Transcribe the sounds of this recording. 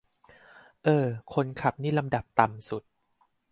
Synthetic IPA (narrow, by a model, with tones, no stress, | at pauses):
ʔɤː˧kʰo˧nkʰa˨˩p̚niː˥˩la˧mda˨˩p̚t̪a˨msu˨˩t̪̚